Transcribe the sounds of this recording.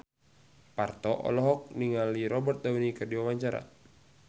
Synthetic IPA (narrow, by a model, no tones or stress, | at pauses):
part̪ɔʔɔ̰lɔɦɔk̚niŋaliɾɔbərt̪̚dawinikɨrdiwawaɲt͡ʃaɾa̰